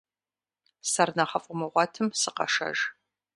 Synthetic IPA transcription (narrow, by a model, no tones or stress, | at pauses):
sɐrnɐχɐfʼʊmɨʁʷɑtʰɨmsɨqɐ̰ʃɐ̰ʒ